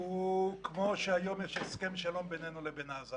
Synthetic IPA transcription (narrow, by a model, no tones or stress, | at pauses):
ukmo̞ʃeajomjeʃeskemʃalo̞mbenenulebenaza